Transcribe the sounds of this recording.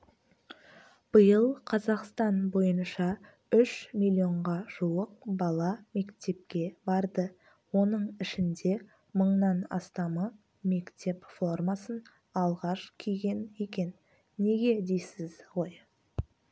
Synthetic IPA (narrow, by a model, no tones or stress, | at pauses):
b̥əjəlˠqʰɑzɑqst̪ɑnbo̞jənʃɑ | ʏʃmʲilʲio̞ɴʁɑʒ̥uwəq̚bɑlˠɑme̞kt̪e̞p̚kʲe̞bɑɾd̪ə | wo̞nəɴɪʃɪnd̪e̞ | məɴnɑnɑ̰st̪ɑmə | me̞kt̪e̞pfo̞rmɑsən | ɑlˠʁɑʃkʲʰijɡʲe̞ne̞kʲe̞nː | e̞ɡʲe̞d̪e̞jsɪzʁoj